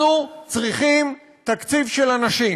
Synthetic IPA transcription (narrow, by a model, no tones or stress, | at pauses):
ut͡sʁiχim | t̪akt͡sivʃelanaʃi